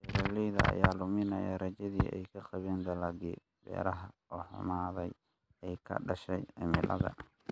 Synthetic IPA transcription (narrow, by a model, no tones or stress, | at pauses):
hɛɾɐlɛjðɐɐ̰jaːlʊmɪnɐjɐ̰ɾɐt͡ʃɐðiːʔɛ̰jkʰɐqɑβɛːnd̪ɐlaɡḭː | bɛ̰ːɾɐɦɐɔːħʊ̰maːðɛj | ɛjkʰɐ̰ɖɐʃɛjɪmɪlʔɐ̰ðɐ